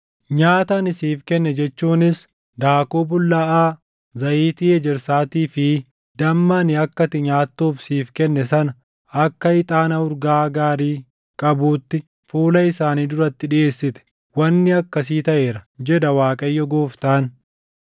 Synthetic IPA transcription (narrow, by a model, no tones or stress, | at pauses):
ɲaːt̪ɐnɪsiːfkɛnːɛd͡ʒɛt͡ʃːuːnɪs | d̪aːkobʊlːɐʔaː | zɐʔiːt̪iːɛd͡ʒɛɾsaːt̪iːfɪ | d̪̥ɐmːaːnɪɐkːɐt̪ɪɲaːt̪ːuːfsiːfkɛnːɛsɐnɐ | ɐkːɐɪt̪ʼaːnɐʊɾɡaːɡaːɾiː | kʼɐbuːt̪ːɪ | fuːlɐɪsaːniːd̪ʊɾɐt̪ːɪᶑɪʔe̞ːsːɪt̪ɛ̥ | wɐnːɪɐkːɐs̬iːt̪ɐʔeːɾɐd͡ʒɛd̪ɐwaːkʼɐjːɔɡoːft̪aːn